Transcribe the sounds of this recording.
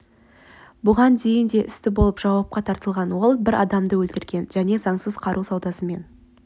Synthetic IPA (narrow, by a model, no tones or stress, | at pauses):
bʊʁɑnd̪e̞jɪnd̪e̞ʔɪst̪ɪbo̞lˠəpʒ̥ɑwɑp̚qɑt̪ʰɑɾt̪əlˠʁɑnwo̞lˠbɪɾʔɑd̪ɑmd̪əwɵlt̪ɪɾɡʲe̞nʒ̥æne̞zɑɴsəzqʰɑɾʔusɑwd̪ɑsəme̞n